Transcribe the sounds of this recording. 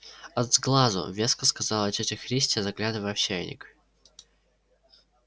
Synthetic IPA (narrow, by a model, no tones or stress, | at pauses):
ɐd̪zɡlˠazʊ̰vʲeskəskɐzalˠɐt͡ɕʲɛtʲɪxɾʲisʲtʲzɐɡlʲad̪əvəɐfɕæjnʲɪ̰k